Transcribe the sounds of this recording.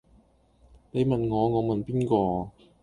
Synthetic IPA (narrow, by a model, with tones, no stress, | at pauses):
ne˨˧jmɐ˨˩nŋɔː˨˧ŋɔː˨˧mɐ˨˩npiː˥nkɔː˧